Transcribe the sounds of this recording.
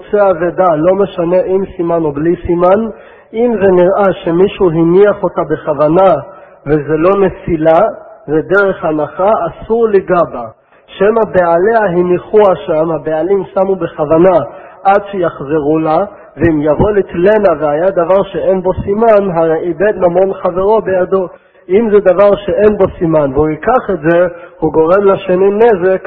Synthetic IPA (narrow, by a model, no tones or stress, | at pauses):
t͡seaved̪alo̞me̞ʃane̞ʔimsimano̞blisiman | imze̞niʁʔaʃemiʃuɦiniaχo̞t̪abeχavana | vezelo̞ne̞filaved̪eʁeχhanaχaːsuʁleɡaba | ʃemabealeaɦiniχuaʃamhabealimsamube̞χavana | ʔadʃejaχzeʁula | veimjavo̞litlenavehajad̪avaʁʃee̞nbo̞simanɦaʁejibe̞d̪mamo̞nχaveʁo̞bejad̪o̞ | imzed̪avaʁʃe̞ʔe̞nbo̞simanveuikaχetze̞huɡo̞ʁe̞mlaʃenine̞zek